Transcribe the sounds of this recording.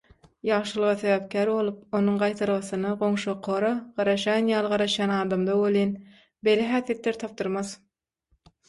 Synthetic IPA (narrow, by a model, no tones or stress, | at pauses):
jɑʁʃɯlˠɯʁɑθeβæːp̚kʲʰæːɾbo̞lˠup̚onuɴɢɑjt̪ʰɑɾʁɑθɯnɑʁo̞ŋʃoqʰːoɾɑʁ̥ɑɾɑʃjɑnjɑːlˠʁɑɾɑʃjɑːnɑːd̪ɑmd̪ɑwolˠin | beleɦæːθijet̪leɾt̪ʰɑp̚t̪ɯɾmɑð